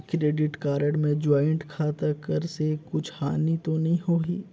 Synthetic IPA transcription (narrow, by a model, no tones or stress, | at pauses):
kɾeːɖɪʈkaːɾəɽmẽd͡ʒaːɪɳʈkʰaːt̪akəɾsekʊt͡ʃʰhaːnit̪onɐɦĩɦoːɦiː